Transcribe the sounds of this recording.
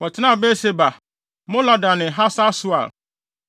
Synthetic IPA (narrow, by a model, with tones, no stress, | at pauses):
wɔ˨tʰɪ˦nã˦˨be˦se˨ba˨ | mʊ̃˦la˨da˨nɪ̃˨ɦa˦sa˦sʊ˦a̰˨